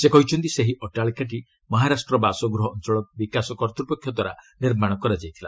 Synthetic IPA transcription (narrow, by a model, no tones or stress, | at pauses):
sekɔɦit͡ʃʰɔnt̪iseɦiʔɔʈaɭkaʈ̬i | mɔɦaɾasʈɾɔbasɔɡɾuɦɔːnt͡ʃɔɭɔbikasɔkɔɾt̪ɾupɔkʰjɔd̪waɾaniɾmaɽ̃ɔkɔɾad͡ʒajt̪ʰila